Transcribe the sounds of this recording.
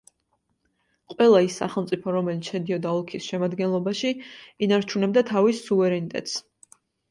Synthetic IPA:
qʼwɛlˠaisːa̰χɛlˠmt̪sʼipʰɔɾɔmɛlit̪sʰʃɛd̪iɔd̪aɔlˠkʰisʃɛmad̪ɡɛnlˠɔbaʃiinaɾt͡ʃʰunɛb̚d̪at̪ʰavisːuvɛɾɛnit̪ʼɛ̰t̪ʼs

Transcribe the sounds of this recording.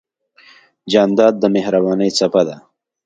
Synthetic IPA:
d͡ʒɑnd̪ɑd̪̚ːəmehɾabɑnəjt͡sapad̪a

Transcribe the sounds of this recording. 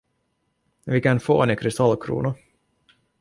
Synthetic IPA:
vɪkanfo̰ːɛnɛkʰɾɪst̪alːkʰɾṵːnʊ

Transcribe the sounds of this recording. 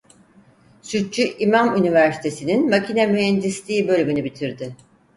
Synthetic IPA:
syt̪̚t͡ʃyʔimamynivæɾsi̥t̪ʰe̞sininmacinamyɦɛnd̪islʲiːbø̞lʲymynybit̪ʰiɾd̪ɪ

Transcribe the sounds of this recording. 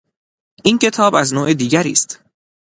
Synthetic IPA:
ʔiːncʰe̞t̪ʰɒːbæznoːʔed̪iːɟæɾḭːst̪

